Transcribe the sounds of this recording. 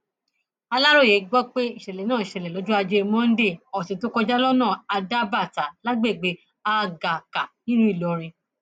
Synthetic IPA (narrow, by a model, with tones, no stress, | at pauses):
a˧la˦ɾo˦˨je˨˦ɡ͡bɔ˦k͡pe˦i˦˨ʃɛ˨lɛ˨nãː˦˨i˨ʃɛ˨lɛ˨lɔ˨˦d͡ʒu˦a˧d͡ʒe˧mɔ̃˦n̩˦de˦˨ɔ˨sĩ˨˦to˦kɔ˧d͡ʒa˦lɔ˦nãː˦˨a˧da˦ba˦˨ta˨˦la˦ɡ͡be˦˨ɡ͡be˨˦ | a˧ɡa˨ka˨nĩ˦nũ˦i˦˨lɔ˨ɾ̃ĩ˧